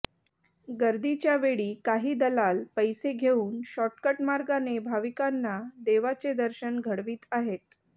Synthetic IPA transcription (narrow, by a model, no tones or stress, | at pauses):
ɡəɾd̪it͡ɕjaʋeɭiːkaɦiːd̪əlalpəjseɡʱeuːnɕɔʈkəʈmaɾɡanebʱaʋikanːad̪eʋat͡sed̪əɾɕənɡʱəɽʋiːt̪aɦet̪̚